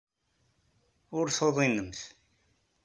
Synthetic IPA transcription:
ʊɾθoðˤinəmθ

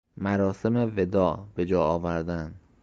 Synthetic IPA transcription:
mæɾɒːse̞me̞ve̞d̪ɒːbe̞d͡ʒɒːɒːvæɾd̪ænd̪

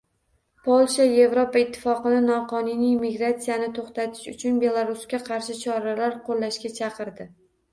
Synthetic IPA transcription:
pʰolˠʃaje̞vɾopaɪt̪ʰːɪ̥fɒqɨnɪnɒqʰɒnunijmɪɡɾat̪sijanɪt̪ʰoχt̪at̪ʰɪ̥ʃʊt͡ʃʰʊnbe̞lˠaɾuskʲaqʰɑɾʃɪt͡ʃʰɒɾalaɾqʰolːaʃkʲat͡ʃʰɑqɨɾd̪ɪ

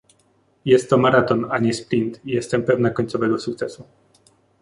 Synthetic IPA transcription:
jɛst̪ːɔmaɾat̪ɔnaɲɛspɾint̪ijɛst̪ɛmpɛvnakɔɲʲt̪sɔvɛɡɔsuk̚t̪sɛsu

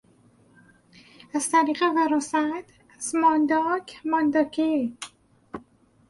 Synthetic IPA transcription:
æz̥t̪ʰæɾiːɣevæɾɔsæt̪ | æsmɒnd̪ɒkʰmɒnd̪ɒkʰe

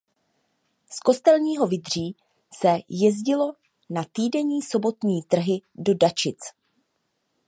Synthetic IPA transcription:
sko̞st̪ɛlɲiːɦo̞vɪd̪r̝iː | sɛjɛzɟɪlo̞ | nat̪iːdɛɲiːso̞bo̞t̪ɲiːt̪r̩ɦɪdo̞dat͡ʃɪt͡s

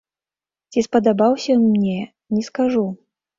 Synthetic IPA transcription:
t͡sʲispɐd̪abawsʲɐmnʲɛ | nʲɛskaʐu

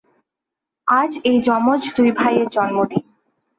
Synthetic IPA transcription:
ad͡ʑejd͡ʑɔmod͡ʑd̪ujbʱajeɾd͡ʑɔnmod̪in

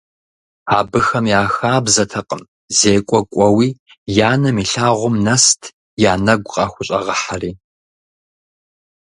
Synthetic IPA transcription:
aːbɨxɐmjaːxaːbzɐtʰɐqʼəm | zeːkʷʼɔkʷʼɔwiː | jaːnɐmiːɬaːʁʷʊmnɐstʰ | jaːnɐɡʷqʼɑːxʷʊɕʼɐ̰ʁɐħariː

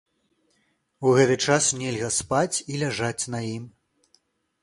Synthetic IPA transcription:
wɣɛt̪ɨt͡ʂasnʲɛlʲɣɐspat͡sʲilʲaʐat͡sʲnɐjim

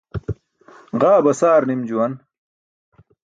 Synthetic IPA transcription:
ʁaːbɐsaːɾnimd͡ʑuwɐn

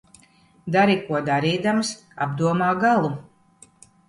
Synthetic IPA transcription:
d̪aɾikuɔd̪aɾiːd̪ams | a̰bd̪uɔmaːɡalˠu

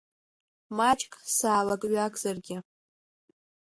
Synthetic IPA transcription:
mat͡ʃʼkʼsaːlakʼɥakʼz̥arɡʲɪ

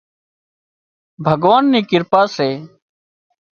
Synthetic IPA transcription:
bʱəɡʋaːnːiːkɪɾpaːseː

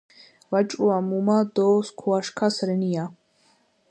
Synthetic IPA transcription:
vat͡ʃʼuamumad̪ɔːskʰuaʂkʰasɾɨnija

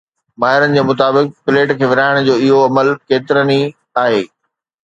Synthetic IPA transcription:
maːɦɪɾənɪ̆d͡ʑeːmʊt̪̬aːbɪk̚pɪleːʈkʰeːʋɪɾaːɪɽ̃d͡ʑoːɪɦoɐməlkeːt̪ɪɾəni | aːɦeː

